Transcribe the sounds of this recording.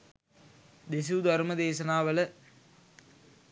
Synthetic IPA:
d̪es̬uːd̪ʱɐɾməd̪eːʃɐnaːʋələ

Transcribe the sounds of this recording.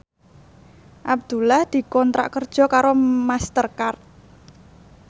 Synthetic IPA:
ʔab̚d̪̥ṳlahd̪̥i̤kɔnt̪ɾa̰ʔkərd̥ʒ̥ɔ̤kaɾomast̪ərkart̪̚

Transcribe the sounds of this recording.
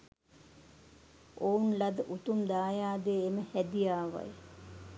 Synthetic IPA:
ounlad̪əʔut̪umd̪aːjaːd̪eeməhæd̪ijaːʋa̰j

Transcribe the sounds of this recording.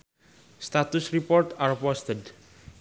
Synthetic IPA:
st̪at̪ʊsripɔrt̪arpɔst̪əd

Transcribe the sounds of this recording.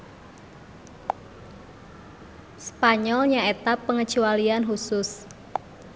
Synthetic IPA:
spaɲɔlɲaet̪apːəŋət͡ʃualianɦusʊs

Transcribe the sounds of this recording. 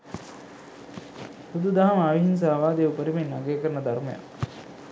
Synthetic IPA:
hud̪ud̪aɦɐmaʋiɦins̬aːʋaːd̪eupəɾimenːaɡeːkəɾɐnɐd̪ɐɾmɐja̰

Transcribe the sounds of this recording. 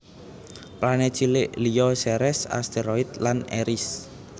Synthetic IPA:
pɾanet͡ʃillijɔsɛɾɛsa̰st̪eɾɔit̪̚lanḛɾis

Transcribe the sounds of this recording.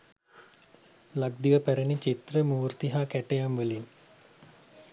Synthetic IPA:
laɡ̚d̪iʋəpæɾənit͡ʃit̪rəmuːɾt̪iɦakæʈejamʋəlin

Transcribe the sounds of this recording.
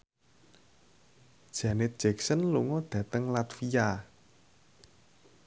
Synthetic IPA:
d̥ʒ̥ä̤nɪt̪̚d̥ʒ̥ɛksənluŋɔd̪̥ä̤t̪əŋlat̪fia

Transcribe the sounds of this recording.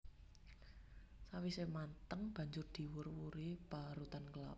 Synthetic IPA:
sawisemant̪əŋb̥ä̤ɲd͡ʒʊrd̪̥i̤wʊrwuɾib̥aɾut̪ankəla̰p

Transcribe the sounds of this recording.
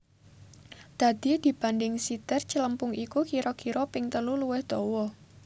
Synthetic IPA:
d̪̥a̤d̪̥i̤d̪̥i̤b̥a̤nd̪ɪŋsit̪ɪrt͡ʃələmpʊŋikukiɾɔkiɾɔpɪŋt̪əluluwɪhd̪̥ɔwɔ

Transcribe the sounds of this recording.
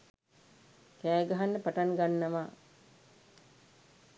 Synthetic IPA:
kæːɡaɦanːəpaʈaŋɡanːɐmaː

